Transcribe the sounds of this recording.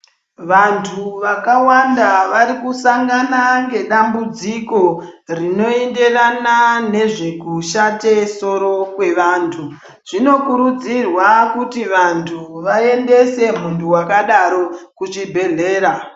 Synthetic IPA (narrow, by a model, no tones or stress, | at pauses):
ʋantʰuʋakawandaʋaɾikusaŋɡanaŋɡe̞ɗambud͡ziko̞rino̞ende̞ranane̞ʐe̞kuʃate̞so̞ɾo̞kwe̞ʋaːntʰu | ʐ̥ino̞kuɾud͡zirwakutiʋantʰuʋae̞nde̞se̞muntʰuwakaɗaɾo̞kut͡ʃibʱe̞ɮe̞ːɾa